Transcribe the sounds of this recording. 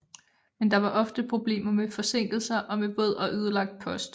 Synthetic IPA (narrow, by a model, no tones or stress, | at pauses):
mend̥ɑ̈ʋɑ̈ʔɒ̽fd̥əpʰʁo̝b̥le̝̰ːmɐmefɒ̽se̝ŋ̰ɡ̥l̩sɐʔɒ̽meb̥ɔð̞̰ˠɒ̽ʔyð̞ˠlɑ̈ɡ̥̚d̥̚pʰɒ̽sd̥